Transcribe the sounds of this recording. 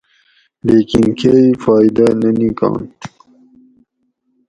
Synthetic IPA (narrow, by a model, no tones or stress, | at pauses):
leːkinkʰeifɑːjd̪ananikɑ̰̃ːnt̪